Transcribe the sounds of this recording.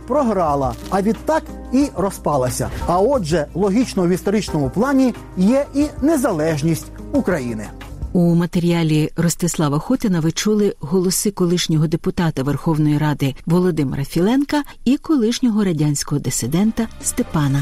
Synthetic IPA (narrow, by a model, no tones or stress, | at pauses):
pɾɔɦɾɑlˠɐ̰ɐʋʲid̪t̪ɑk | iɾɔspɑlˠɐsʲɐ̰ɐɔd͡ʒɛlˠɔɦʲit͡ʃnɔwist̪ɔɾit͡ʃnɔmʊplˠɑnʲi | jɛʔinezɐlˠɛʒnʲisʲtʲukɾɐjḭnɪ̰ | umɐt̪eɾʲiɑlʲirɔst̪ɪslˠɑʋɐxɔt̪ɪnɐʋɪt͡ʃulˠɪɦɔlˠɔsɪkɔlˠɪʃnʲɔɦɔd̪epʊt̪ɑt̪ɐʋerxɔwnɔjiɾɑd̪ɪʋɔlˠɔd̪ɪmḛɾɐfʲilˠɛnkɐ | ikɔlˠɪʃnʲɔɦɔɾɐdʲanʲsʲkɔɦɔd̪esɪd̪ɛnt̪ɐst̪epɑnɐ